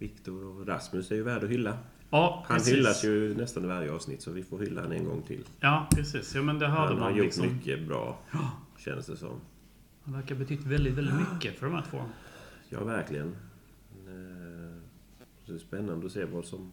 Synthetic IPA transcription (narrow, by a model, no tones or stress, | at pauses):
vɪkt̪ɔɾɔɾa̰smɵsæɾjɵvæːɖɔɦʏlːa | ɑːhanhʏlːasjɵnɛst̪anɪvaɾjəɑːvsnɪt̪ːsɔvɪfoːɾhʏlːa̰hanɛ̰nɡɔ̰ŋːt̪ʰɪ̰lːjɑːpɾɛsiːsjɑːmɛnd̪ɛɦad̪ːəmajʊʈːmʏkʰːəbɾɑ̰ːɕɛ̰nd̪əsd̪ɛsɔ̰mː | væɾkabɛt̪ʰʏt̪ːvɛld̪ɪt̪vɛld̪ɪt̪mʏkːəfœɖɔmæt̪fo̰ːɾmjɑ̰ːvæɾklɪɡən | d̪ɛspɛnːand̪əɔseːvɑːd̪sɔm